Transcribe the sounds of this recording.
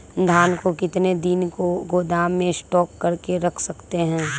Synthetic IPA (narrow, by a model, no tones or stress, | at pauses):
d̪ʱaːnkokɪt̪ned̪ɪnkoɡoːd̪aːmːẽsʈɔːkːɐɾkeɾɐkʰsɐkt̪eɦɛ̃ː